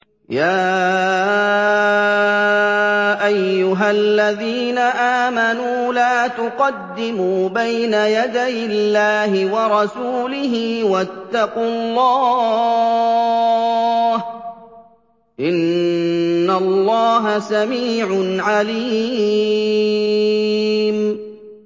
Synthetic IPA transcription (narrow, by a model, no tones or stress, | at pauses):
jaː | ʔajːʊɦalːaðiːnaʔaːmanuuːlaːt̪ʊqɑd̪ːɪmuːbajnajad̪ajɪlːaːɦɪwɑɾˤɑsuːlɪɦɪwat̪ːɑqʊlˤːɑː | h | ʔɪnː | allːɑːɦasamiːʕʊnʕaliː | m